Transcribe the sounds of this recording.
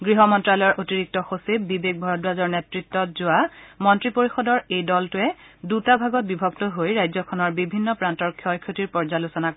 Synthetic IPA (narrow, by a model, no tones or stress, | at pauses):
ɡɹiɦɔmɔntɹalɔjɔɹʔotiɹik̚tɔxosib̚bibek̚bʱɔɹɔd̚bazɔɹnetɹitːɔtzʊamɔntɹipoɹixɔdɔɹejdɔltʊɛ | dutabʱaɡɔt̚bibʱɔktɔɦojɹajzɔkʰɔnɔɹbibʱinːɔpɹantɔɹkʰjɔjkʰjotiɹpɔɹzalosɔna